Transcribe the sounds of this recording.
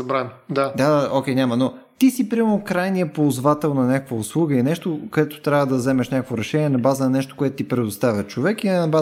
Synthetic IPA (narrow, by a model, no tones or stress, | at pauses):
ɐbɾand̪ad̪ad̪aokʲɛjnʲamɐnot̪isipɾimɛnokɾajniəpoːzvat̪ɛlˠnɐnʲakəkvəʊslˠuɡəinɛʃt̪okɐd̪ɛt̪o̥t̪ɾʲavəd̪ɐzɛmɛʃnʲakəkvoɾɛʃɛnʲiɛnɐbazənɐnɛʃt̪o̥koʊɛt̪oʊt̪ipɾɛd̪ost̪avʲjət͡ʃovɛkinɐba